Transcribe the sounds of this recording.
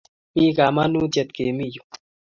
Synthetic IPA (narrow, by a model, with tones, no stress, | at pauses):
mĩ˦ka˨ma˦nu˦t̪e˧t̪̚keː˨mi˦ju̥˨